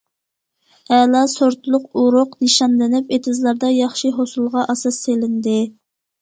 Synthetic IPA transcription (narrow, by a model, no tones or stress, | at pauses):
ɛlɑsoɾt̪lˠʊquɾʊqnɨʃɑnlɪnɪpet̪ʰɪzlˠɑɾd̪ɑjɑχʃiɦosulˠʁɑʔɑsɑsːelɪnd̪ɪ